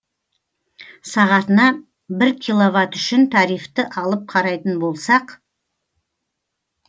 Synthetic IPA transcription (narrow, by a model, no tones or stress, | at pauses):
sɑʁɑt̪ənɑ | bɪɾkʲʰilˠo̞vɑt̪ʏʃɪnt̪ʰɑɾijft̪ɪʔɑlˠəp̚qʰɑɾɑjt̪ənbo̞lˠsɑq